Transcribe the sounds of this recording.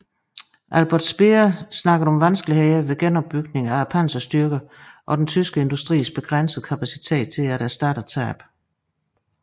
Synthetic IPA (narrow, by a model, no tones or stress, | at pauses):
ʔælb̥ɐd̥sb̥eɐsnɑ̈ɡ̥əð̩ˠɒ̽mʋænsɡ̥əliheɪɐʋe̝ɡ̥enɒ̽b̥̚b̥ːyɡ̥ne̝ŋææpʰænsɐsd̥yɐɡ̥əʔɒ̽d̥ent͡sʰysɡ̥əe̝nd̥usd̥ʁḭːsb̥e̝ɡ̥ʁan̰səð̩ˠkʰæpʰæsit͡sʰe̝̰ːd̥̚t͡sʰe̝læɾæsd̥ɑ̈ːɾ̥ət͡sʰæ̰ːb̥